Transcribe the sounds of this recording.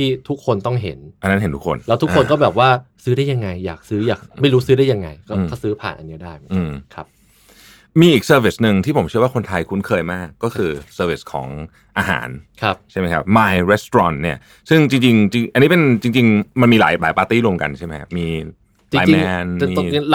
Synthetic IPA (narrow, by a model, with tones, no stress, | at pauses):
t̪ʰiː˥˩t̪ʰu˦˥kʰːo˧nt̪ɔ˥˩ŋɦe˩˦nʔa˧nːa˦˥nɦe˨˩˦nt̪u˦˥kʰo̰˧nlɛː˦˥wt̪ʰu˥kkʰːo˧nkɔː˥˩bɛː˨˩p̚waː˥˩sɯː˦˥dɾaː˥˩ja˧ŋːa˧jːa̰ː˨˩k̚sɯː˦˥jaː˨˩k̚ma˥˩jɾuː˦˥sɯː˦˥ɾa˥˩ja˧ŋa˧jkɔː˥˩a˥˩sɯː˦˥pʰa̰ː˨˩nʔa̰˧nːi˦˥daː˥˩jma˦ʔɯː˧˩mkʰa˦˥p̚ | miː˧ʔiː˨˩k̚sɤː˧wi˦˩snɯ˧ŋt̪ʰiː˥˩pʰo˩˦mt͡ɕɯ˥˩ɐwaː˥˩o˧nt̪ʰa˧jkʰu˦˥nkʰɤː˧jmaː˥˩kːɔː˥˩kʰɯː˧sɤː˧wi˦˩skʰɔ̰ː˩˦ŋ | ʔaː˧ɦa̰ː˩˦nkʰa˦˥p̚t͡ɕʰa˥˩ma˦˥jkʰa˦˥p̚maː˧jɾe˦˥st̪o˧ɔː˧nni˥˩ɐ | sɯ˥˩ŋt͡ɕi˧ŋt͡ɕi˧ŋt͡ɕi˧ŋʔa˧niː˦˥p̬e˧nt͡ɕi˧ŋt͡ɕi˧ŋma˧nmiː˧la̰ː˩˦jblaː˨˦jpaː˧t̪iː˥˩ɾu˧əmka̰˧nt͡ɕʰa˥˩ma˦˥kʰa˦˥miː˧ | t͡ɕaː˨˧˦mɛː˧n˧miː˧